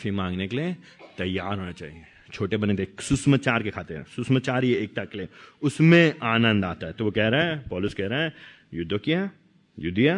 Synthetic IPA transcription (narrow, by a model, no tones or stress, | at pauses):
kafimãːŋɡnekeliet̪ɐjːaːɾɦoːnat͡ʃa̰ːɦie | t͡ʃʰoːʈebɐnet̪eksʊsmət͡ʃaːɾkekʰaːt̪eɦɛ̰̃sʊsmət͡ʃaːɾieeːk̚t̪akeleːʊsmẽaːnə̃nd̪aːt̪aɦɛt̪oʋokɛɦɾɦɛ̃pɔːlʊskɛɦɾeɦɛ̃ | jʊd̪ʱːokiɦɛ | jud̪ʱiɛ